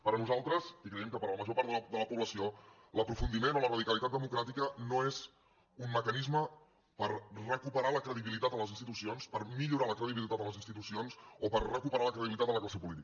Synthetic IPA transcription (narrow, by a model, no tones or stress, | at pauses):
pəɾənuzalˠt̪ɾəsikɾəjɛmkəpəɾləməʒopaɾt̪əd̪ələpuβləsio | ləpɾufund̪imenolərəðikəlit̪at̪̚d̪əmukɾat̪ikənoez | umməkənizmə | pəɾrəkupəɾaləkɾəðiβilit̪at̪ələzinst̪it̪usionspəɾmiʎuɾaləkɾəðiβilit̪at̪əmləzinst̪it̪usionsopərrəkupəɾaləkɾəðiβlit̪at̪ələklasepulit̪ikə